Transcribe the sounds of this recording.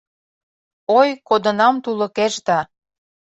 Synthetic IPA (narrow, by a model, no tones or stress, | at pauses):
ojkod̪ə̆nɑmt̪ulɤ̆keʃd̪ɑ